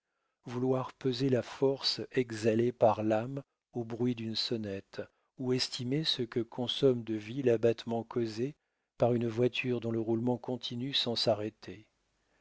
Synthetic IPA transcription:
vulwaʁpøzelafɔʁsɛɡzalepaʁlam | obʁɥid̪ynsɔnɛt̪ | uɛst̪ʰimesəkəkʰɔ̃sɔmd̪əvilabat̪mɑ̃kʰoze | paʁynvwat̪ʰyʁd̪ɔ̃ləʁulmɑ̃kɔ̃t̪ʰinysɑ̃saʁet̪ʰe

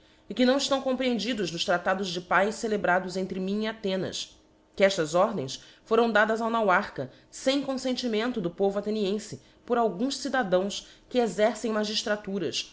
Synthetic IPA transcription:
ɪkɪnɐ̃w̃iʃt̪ɐ̃w̃kõpɾiẽnd͡ʒid̪ʊznʊʃt̪ɾat̪ad̪ʊzd͡ʒɪpajʃsselebɾad̪ʊzẽnt̪ɾɪmĩiat̪ẽnɐ̰s | kɪɛʃt̪ɐzɔɾd̪ḛ̃j̃sfoɾɐ̃w̃d̪ad̪ɐzawnawaɾkɐ | sẽj̃kõsẽnt͡ʃimẽnt̪ʊd̪ʊpovʊat̪eniẽsɪ | pʊɾawɡũʃsid̪ad̪ɐ̃w̃skɪezɛɾsẽj̃maʒiʃt̪ɾat̪uɾɐ̰s

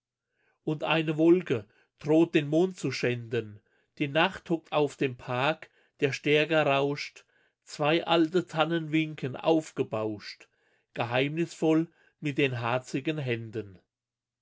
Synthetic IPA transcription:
ʔʊntʔa̰ɪnəvɔlkə | d̥ʁoːt̚d̥eːnmoːnt̚t͡suʃɛndən | d̥iːnaχthɔk̚tʰaʊfd̥eːmpʰaɐk | d̥eːɐʃtɛɐɡɐʁaʊʃt | t͡sv̥aɪʔaltətʰanənvɪŋkʰənʔa̰ʊfɡ̥əbaʊʃt | ɡ̥əɦaɪmnɪsfɔl | mɪt̚d̥eːnɦaɐt͡sɪɡənɦɛndən

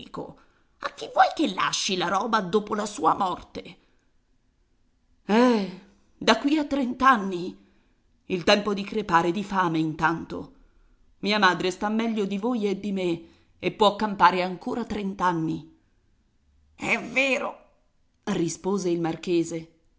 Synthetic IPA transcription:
ko̰ | ak̟ːivːwɔjk̟elːa̰ʃːilaɾɔːbad̪oːpolasuːamɔrt̪e | ɛ | d̪akːwiat̪ːɾent̪anːi | ilt̪ɛmpod̪ikɾepaːɾed̪ifaːmeint̪ant̪o̰ | miːamaːd̪ɾest̪amːɛʎːod̪ivoːjed̪ːime | epːwɔkːampaːɾeaŋkoːɾat̪ːɾent̪anːi | ɛveːɾo̰ | rispoːzeilmarkeːze

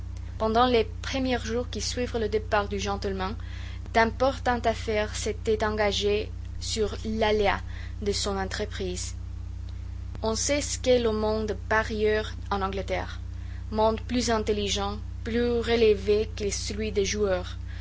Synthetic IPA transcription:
pɑ̃d̪ɑ̃lepχəmjɛʁʒuʁkisɥivʁələd̪epaʁd̪yʒɑ̃t̪əlmɛ̃ | d̪̥ɛ̃pɔʁt̪ɑ̃t̪afɛʁset̪ɛt̪ɑ̃ɡaʒe | syʁlalea | d̪əsɔ̃nɑ̃t̪χəpχiz | ɔ̃sɛsə̥kɛləmɔ̃d̪paʁjœʁ | ɑ̃nɑ̃ɡlət̪ɛ̰ʁ | mɔ̃d̪plyzɛ̃t̪eliʒɑ̃ | plyʁelevekesəlɥid̪eʒuœʁ

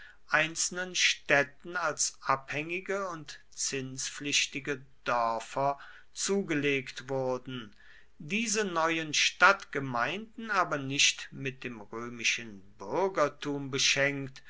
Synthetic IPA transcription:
ʔaɪnt͡sl̩nənʃtɛtn̩alsʔaphɛŋɪɡəʊnt | t͡sɪnsflɪɕtɪɡəd̥œɐfɐ | t͡suːɡəleːktv̥ʊɐdn̩ | diːzənɔʏənʃtatɡ̥əmaɪ̃ndn̩aːbɐnɪʃtmɪt̚d̥eːmʁøːmɪʃənbʏɐɡɐtʰuːmbəʃɛŋkt

